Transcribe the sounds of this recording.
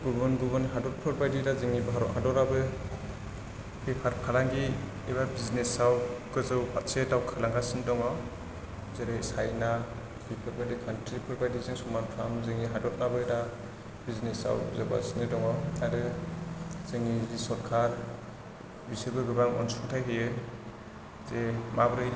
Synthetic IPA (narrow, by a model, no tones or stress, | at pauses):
ɡubɯnɡubɯnɦadɔt̚pʰɯɾbajdidazɯŋibɦaɾɔ̰thadɔɾabɯ | bipʰaɾkʰalaŋɡi | iβabiznesawkɯzɯwpatsedawkʰalaŋɡasindɔŋɔ | zeɾɯjsajna | bipʰɯɾbadikʰantɾipʰɯɾbadizeŋsɔmanpʰɾamzeŋiɦadɔt̚nabɯda | biznesa̰wzɯba̰sinɯdɔŋɔaɾɯ | zeŋizisɔɾkʰaɾ | bisɯbɯɡɯbaŋɔ̰nsuŋtʰajɦɯjɯ | zemabɾɯj